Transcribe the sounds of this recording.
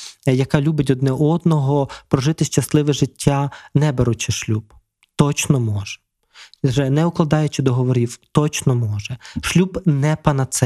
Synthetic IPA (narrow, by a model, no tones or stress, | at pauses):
jɐkɑlʲubɪt̬ʲɔd̪nɛʔɔd̪nɔɦɔpɾɔʒɪt̪ɪʃt͡ʃɐslˠɪʋɛʒɪtʲːanɛbɛɾʊt͡ʃɪʃlʲub̥ | t̪ɔt͡ʃnɔmɔʒɛ̥ | ʒɛnɛʊklˠɐd̪ɑjʊt͡ʃɪd̪ɔɦɔʋɔɾʲiwt̪ɔt͡ʃnɔmɔʒɛʃlʲubnɛpɐnɐt̪sɛ